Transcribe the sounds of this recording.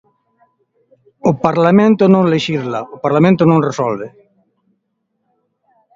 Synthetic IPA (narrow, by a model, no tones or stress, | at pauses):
ʊpaɾlamẽnt̪ʊnõŋleʃizlaʊpaɾlamẽnt̪ʊnõŋresɔlβe